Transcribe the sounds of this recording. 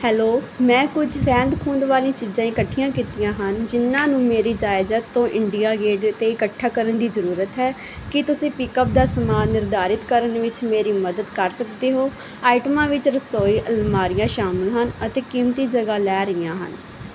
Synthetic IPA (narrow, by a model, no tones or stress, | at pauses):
hɛːloːmɛ̃ːkʊd͡ʒɾɛ̃ːnd̪kʰuːnd̪ʋaːlĩːt͡ʃiːd͡ʒãːɪkəʈʰːijãːkiːt̪ijãːɦənd͡ʒɪnːãːnũːmeːɾiːd͡ʒaːɪzət̪ːõːʔɪɳɖijaːɡeːɖt̪eːɪkəʈʰːaːkəɾənd̪iːzəɾuːɾət̪ɦɛː | kɪt̪ʊsĩːpɪːkəp̚d̪aːsəmaːnɪɾd̪aːɾɪt̪kəɾənʋɪt͡ʃmeːɾiːməd̪əd̪kəɾsəkd̪eːɦoː | aːɪʈəmãːʋɪt͡ʃɾəsoːiːʔəlmaːɾɪjãːʃaːməlɦənət̪eːkiːmt̪iːd͡ʒəɡaːlɛːɾəɪjãːɦə̰n